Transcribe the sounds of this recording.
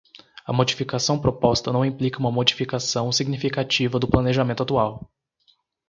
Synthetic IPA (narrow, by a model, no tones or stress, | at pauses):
ɐ̰mod͡ʒifikasɐ̃w̃pɾopɔst̪ɐnɐ̃w̃ĩplikɐũmɐmod͡ʒifikasɐ̃w̃siɡnifikat͡ʃivɐd̪ʊplɐneʒamẽnt̪ʊat̪uaw